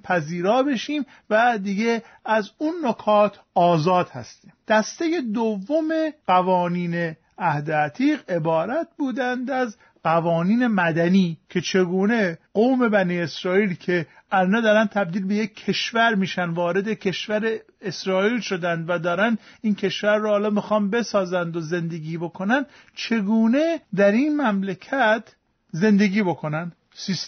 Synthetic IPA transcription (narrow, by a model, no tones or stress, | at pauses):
pʰæziːɾɒːbe̞ʃiːm | væd̪iɡe | æzunːokʰɒːt̪ʰɒːzɒːd̪̥hæ̰st̪iːmd̪̥æst̪e̞je̞d̪ovːomeɢævɒːniːne̞ | æhd̪eæt̪ʰiːʁe̞bɒːɾæt̪̚buːd̪ænd̪æz | ɢævɒːniːne̞mæd̪æniːcʰe̞t͡ʃʰe̞ɡuːne̞ɢoːme̞bæniːe̞sɾɒːiːlcʰe̞ | ʔælnɒd̪ɒːɾæn̚t̪ʰæb̚d̪iːlbe̞je̞kʰːe̞ʃvæɾmiːʃænd̪vɒːɾe̞d̪ecʰe̞ʃvæɾe̞ː | sɾɒːiːlʃo̞d̪ænd̪væd̪ɒːɾænd̪iːncʰe̞ʃvæɾːɔhɒːlɒːmixɒːnbe̞sɒːzænd̪oze̞nd̪e̞ɡiːbo̞kʰonænd̪ | t͡ʃʰe̞ɡuːne̞d̪æɾinmæmlecʰæt̪ʰ | ze̞nd̪e̞ɡʲiːbo̞kʰo̞nænd̪ | sis